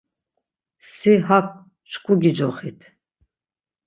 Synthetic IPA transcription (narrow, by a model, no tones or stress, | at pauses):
siɦakʷ | t͡ʃʰkʷʰʼuɡid͡ʒɔχit̪ʰ